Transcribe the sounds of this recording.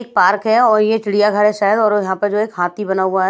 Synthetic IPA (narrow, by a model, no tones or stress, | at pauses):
k̚paːɾkɦɛɔːɾjeʈɪɽijaɡʱɐɽeʃaːɦəd̪ɔːɾjɐɦãpɐɾd͡ʒoːeːkɦaːt̪ibɐnaɦʊaɦɛ